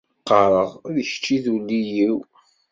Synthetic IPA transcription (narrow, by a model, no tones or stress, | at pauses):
qɑɾˤəʁðəçt͡ʃːiðulːijiw